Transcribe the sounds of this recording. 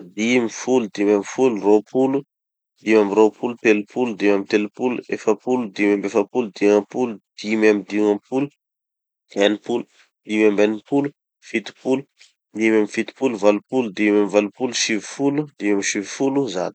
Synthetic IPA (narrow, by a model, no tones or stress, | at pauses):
d̪imifulud̪imamifuluropʰulu | d̪imamiropʰulut̪elupʰulud̪imamit̪elupuluefəpulud̪imambefəpulud̪iŋãpulud̪̥imamid̪iŋãpulu | anipulu | d̪̥imambanipulu | fit̪i̥pulu | d̪imamifit̪i̥puluvalupulud̪imamivalupuluʃivi̥fulud̪imamiʃivifuluza̰ni̥